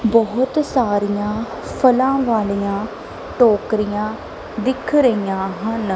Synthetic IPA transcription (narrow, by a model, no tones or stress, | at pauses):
bɔɦʊt̪saːɾijãː | pʰəlãːʋaːlijãː | ʈɔːkɾijãː | d̪ɪkʰɾəijãːɦən